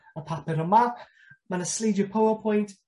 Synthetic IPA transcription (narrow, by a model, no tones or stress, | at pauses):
əpʰapɪɾəma | manəsliːdjəpʰowəpʰɔ̃j̃nt